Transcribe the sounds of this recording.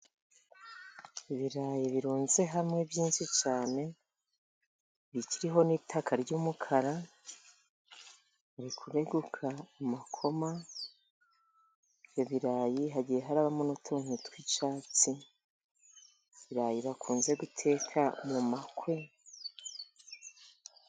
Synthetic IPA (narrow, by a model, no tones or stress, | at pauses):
iβiɾaːjiβiɾuːnze̞ɦamŋe̞bjiːnʃit͡ʃaːne̞ | βiciɾiɦo̞niːtʰakʰaɾɟuːmukʰaɾa | aɾikʰuɾe̞ɡukʰaːmakʰo̞ma | βjoβiɾaːjiɦaɟijeɦaɾaːβamonotʰuŋ̥utwit͡ʃaːt͡si | βiɾaːjiβakʰuːnze̞ɡutʰe̞ːkʰamumakwe